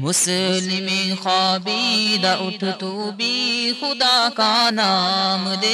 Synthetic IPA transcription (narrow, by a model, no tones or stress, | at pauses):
mʊslɪmexaːbid̪aʔʊt̪ʰt̪ubixʊd̪aːkanaːmd̪e